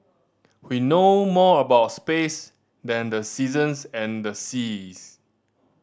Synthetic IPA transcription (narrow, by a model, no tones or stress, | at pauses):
winomɔəbaʊtspes | dɛ̃ndəsizə̃nsɛ̃ndəsis